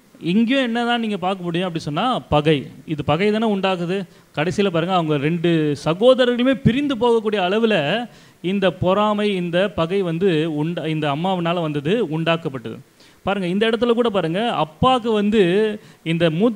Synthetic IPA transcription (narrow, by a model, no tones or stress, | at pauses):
ɪŋɡjõɛnːɐt̪ãːniːŋɡɐpaːɾkɐmʊːɽɪjõɐpːɐɽisɔnːaːpɐɣɐɪɪðɯpɐɣɐɪɪðɛnːɐʊɳɖaːk̬ɯðɯ | kɐɽɐɪsɪjɐlɐpaːɾɯŋɡɐːʋɐŋɡɐɾɛɳɖɯsɐɣoːðɐɾɐɣɐɭɯmeːpɪɾɪnd̪ɯp̬oːɣɐkːuːɽɪjɐːɭɐʋɪlɐ | ɪnd̪ɐpɔɾaːmɐɪɪnd̪ɐpɐɣɐɪʋɐnd̪ɯʊɳɖɪnd̪ɐːmːaːʋɪnaːlɐʋɐnd̪ɐðɯʊɳɖaːkːɐpːɐʈːɐ̰ðɯ̰ | paːɾɯŋɡɐɪnd̪ɐɪɽɐt̪ːɯlɐk̬uːɽɐp̬aːɾɯŋɡɐɐ̰pːaːkːɯʋɐnd̪ɯɪnd̪ɐmuː